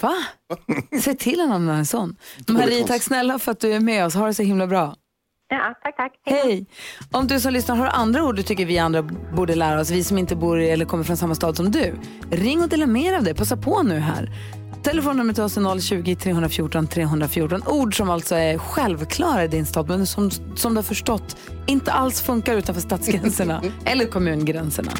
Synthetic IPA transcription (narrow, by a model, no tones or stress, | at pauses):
va | sɛjt̪ʰɪlːhɛnamnaɛnsɔnːmhɛɾiːt̪ʰakːsnɛlːafœɾat̪̚d̪ɵæɾmɛɔshaɖɛsɔɦɪmlabɾɑː | t̪ʰaakhhɛjɔmd̪ɵsɔmlʏsnaɾəɦaɾʔa̰nd̪ɾauːɖɖɵt̪ʰʏkːəɾvɪand̪ɾabuːɖəlæːɾaɔsvɪsɔmɪnt̪əbuːɾɛlːəɾkʰɔmːəɾfɾɔnsamːast̪ɑːd̪sɔmd̪ʉ | ɾɪŋːɔd̪ɪlameːɾavd̪ɛjpʰasːaɾpʰɔnʉ̟ːɦæ̰ːɾ | t̪ʰɛlɛfoːnːəmɛt̪ʰɑːsənɔlːɕʉ̟ːɡɪt̪ʰɾeːhɵnd̪ɾafjuːʈɔnt̪ʰɾeːɦɵnd̪ɾafjuːʈɔnuːɖʂɔmalt̪sɔɛɾɧɛlvkʰlɑːɾaɪd̪ɪnst̪ɑːd̪mɛnsɔm | sɔmd̪ɵhaɾfœʂʈɔt̪ː | ɪnt̪əʔalsfɵŋkaɾʉ̟ːt̪anfœʂt̪ɑːt̪sɡɾɛnsəɳaɛlːəɾkʰɔmʉ̟ːnɡɾɛnsəɳa̰